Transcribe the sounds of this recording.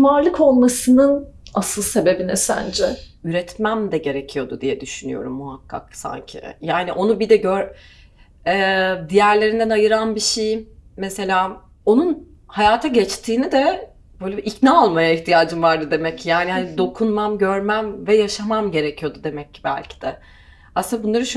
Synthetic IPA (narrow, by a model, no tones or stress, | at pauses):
maɾlˠɯkʰo̞lˠmasɯnɯnasɯlˠse̞be̞binɛsæ̰nd͡ʒɛ | yɾɛt̪mæmd̪ɛɟe̞ɾecʰijo̞d̪ud̪ijɛd̪yʃyny̰jo̞̰ɾumːuɦakʰːa̰ksa̰ɲcʰḭjaːniʔo̞nubid̪ɛɟøɾ | ɛd̪ijæɾlʲe̞ɾind̪ænajɯɾanbiʃejmese̞lʲaː | o̞nun | hajaːt̪ʰaɟɛt͡ʃt̪ʰiːnid̪ɛ | bøjlʲebiʔicnaalˠmajaiçt̪ʰijaːd͡ʒɯmvaɾd̪ɯd̪e̞mɛcjaːnihanid̪o̞kʰunmamɟøɾmæmvɛjaʃamamɟe̞ɾecʰijo̞d̪ud̪e̞mɛcːbæ̰lʲcʰi̥d̪̥ɛ | asɯnabunlˠaɾɯʃ